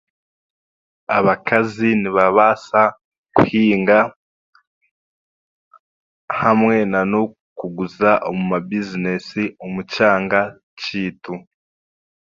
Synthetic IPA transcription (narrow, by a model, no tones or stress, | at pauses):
aβakʰaziniβaβasa | kuhiːŋɡa | hamŋe̞nano | kuɡuzaʔomumabizinesiomucaːŋɡa | t͡ʃiːtu